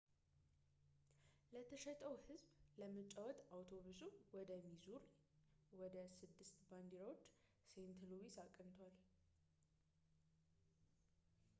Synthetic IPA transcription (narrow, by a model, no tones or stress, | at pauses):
lət̪ʰəʃɛt̪ʼəwhɨzbləmət͡ʃʼawɔt̪awt̪ʰo̞βusuwɔd̪əmizuɾ | wɔd̪əsɨd̪ːɨst̪band̪iɾawo̞t͡ʃː | sent̪ʰɨlowisakʼːənt̪ʰwal